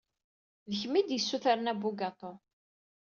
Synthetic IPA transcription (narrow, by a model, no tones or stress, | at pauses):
ðəçmid̪jəsːuθaɾənæbuɡɑt̪ˤo